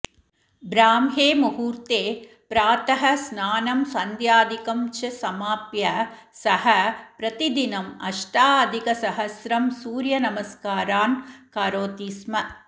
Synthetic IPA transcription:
bɾaːmɦeːmɐhuːɾt̪eː | pɾaːt̪ɐɦɐsnaːnɐmsɐnd̪jaːd̪ikɐmt͡ʃɐsɐmaːpjɐ | sɐhɐpɾɐt̪id̪inɐmɐʂʈaːɐd̪ʱikɐsɐɦɐsɾɐmsuːɾjɐnɐmɐskaːɾaːnkaːɾoːt̪iːsmɐ

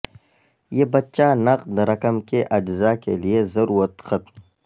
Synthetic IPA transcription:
jeːbɐtːt͡ʃanɐqd̪ɾɐkəmkeʔɐd͡ʒzakeliezɐɾuːɾət̪xɐt̪m

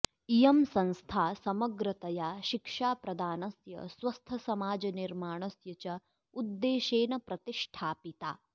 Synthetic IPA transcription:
ijɐmsɐnst̪ʰaːsɐmɐɡɾɐt̪ɐjaːʃikʂaːpɾɐd̪ʱaːnɐsjɐ̰sʋɐst̪ʰɐsɐmaːd͡ʒɐniɾmaːɳ̃ɐsjɐt͡ʃɐ | ud̪ːeːʃeːnɐpɾɐt̪iʂʈʰaːpit̪aː

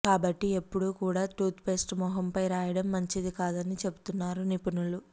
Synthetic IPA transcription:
kaːbɐʈːie̞pːuɽukuːɽaːʈuːt̪pe̞ːsʈmɔːɦɐmpɐjɾaːjɐɽɐmːɐɲt͡ʃid̪ikaːd̪ɐnit͡ʃe̞but̪unːaːɾunipɐnulu

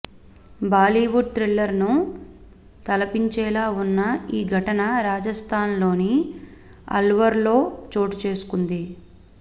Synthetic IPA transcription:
baːliʋuɖ̚t̪ɾilːɐɾnu | t̪ɐlɐpiɲt͡ʃɛːlaːunːɐiːɡʱɐʈɐnɐɾaːd͡ʒɐst̪ʰaːnlo̞ːni | ɐ̰lʋɐɾlo̞ːt͡ʃo̞ːʈut͡ʃe̞ːsu̥kund̪i

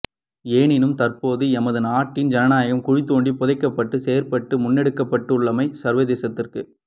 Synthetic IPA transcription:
eːɳɪnɯmt̪ɐrpoːðɯɛmɐðɯnaːʈːɪnd͡ʒɐnɐnaːjɣɐmkʊɻɪt̪ːoːɳɖipɔðɐɪkːɐpːɐʈːɯseːɐɾpɐʈːɯmʊnːɛɽɯkːɐpːɐʈːɯʊɭːɐmɐɪsɐɾʋɐðeːsɐt̪ːɪrkɯ

